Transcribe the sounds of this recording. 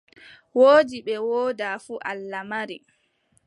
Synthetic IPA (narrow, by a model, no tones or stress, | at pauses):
woːd͡ʒiɓɛwoːdaːfuʔalːamaɾi